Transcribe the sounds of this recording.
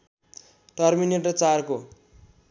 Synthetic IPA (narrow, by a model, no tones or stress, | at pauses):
ʈʌrmineʈʌt͡sarko